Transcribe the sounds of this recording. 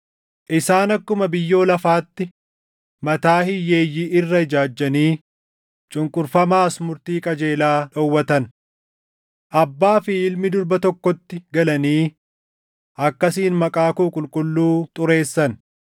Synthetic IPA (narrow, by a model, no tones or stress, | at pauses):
ʔɪsaːnɐkːʊmɐbɪjːo̞ːlɐfaːt̪ːɪ | mɐt̪aːhɪjːe̞ːjːiɪrːɐɪd͡ʒaːd͡ʒːɐniː | t͡ʃʼʊŋkʼʊɾfɐmaːsmʊɾt̪iːkʼɐd͡ʒe̞ːlaːᶑɔwːɐt̪ɐn | ʔɐbːaːfɪɪlmɪd̪ʊɾbɐt̪ɔkːɔt̪ːɪɡɐlɐniː | ʔɐkːɐsiːnmɐkʼaːkuːkʼʊlkʼʊlːuːt̪ʼʊɾe̞ːsːɐn